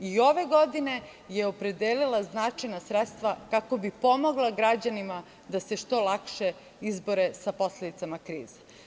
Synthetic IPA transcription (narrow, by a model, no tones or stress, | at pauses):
io̞ʋeɡo̞d̪ine̞ | jeopɾe̞d̪eːlilaznat͡ʃajnasɾet̪st̪ʋakako̞bipo̞moɡlˠaɡɾad͡ʑanima | d̪ase̞ʃt̪o̞lˠakʃe | izboɾe̞sapo̞sled̪it̪amakɾḭːz̥e̥